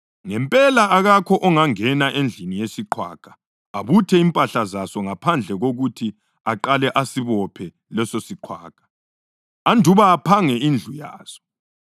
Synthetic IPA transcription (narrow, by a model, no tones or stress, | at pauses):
ŋɛmpʼɛlaːɣakʰɔʔɔŋaŋɛnaʔend͡ɮʱinijesiǃʰwa̰ːkʼḁ | aβutʰɛimpʼaɬazasɔŋapʰand͡ɮʱɛɣoɣutʰi | aǃalɛʔasiβɔpʰɛ | lɛsosiǃʰwaːkʼḁ | andʱuβaːpʰaŋɛind͡ɮʱuja̰ːz̥ɔ̥